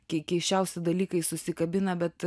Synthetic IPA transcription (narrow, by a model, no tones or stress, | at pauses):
kʲɛɪkʲɛɪʃʲt͡ʃʲɛʊsʲɪd̪ɐlʲiːkɐɪsʊsʲɪkɐbʲɪnɐbʲɛt̪